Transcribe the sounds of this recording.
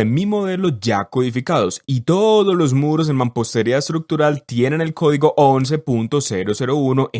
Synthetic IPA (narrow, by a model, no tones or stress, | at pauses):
enmimo̞ðe̞lo̞d͡ʒako̞ðifikaðo̞sit̪o̞ðozlo̞z̬muɾo̞s̬e̞nmãmpo̞st̪e̞ɾiaest̪ɾuk̚t̪uɾalt̪je̞ne̞ne̞lkʰo̞ðiɣo̞ʔons̬e̞punt̪o̞se̞ɾo̞se̞ɾo̞uno̞ʔe